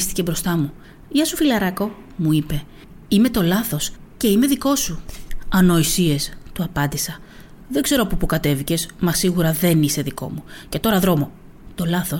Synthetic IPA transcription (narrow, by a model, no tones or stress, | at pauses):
st̪i̥cebɾo̞st̪ɐmu | ʝɐsufilɐɾɐko̞ | muipe̞ | ime̞t̪o̞lɐθo̞sce̞ime̞ðiko̞suɐno̞isie̞st̪uɐpɐnd̪isɐ | ðe̞ɡze̞ɾopopukɐt̪e̞vice̞zmɐsiɣuɾɐðe̞nise̞ðiko̞̰muce̞t̪o̞ɾɐðɾo̞mo̞ | t̪o̞lɐθo̞